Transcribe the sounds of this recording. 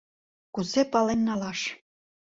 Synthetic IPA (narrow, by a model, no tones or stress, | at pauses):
kuzepɑlenːɑlɑʃ